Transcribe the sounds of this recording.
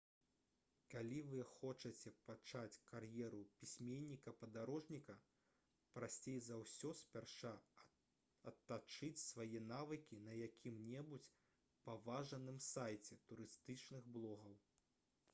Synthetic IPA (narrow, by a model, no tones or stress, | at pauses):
kalʲivɨxɔt͡ʂɐt͡sʲɛpat͡ʂat͡sʲkarjɛɾupʲisʲmʲenʲːikɐpɐd̪aɾɔʐnʲikɐ | pɾasʲt͡sʲejzawsʲɔsʲpʲarʂa | ɐt̪ːat͡ʂɨt͡sʲsvajɛnavɨkʲinɐjakʲimnʲɛbut͡sʲ | pɐvaʐɐnɨmsajt͡sʲɛt̪uɾɨst̪ɨt͡ʂnɨɣblˠɔɣɐw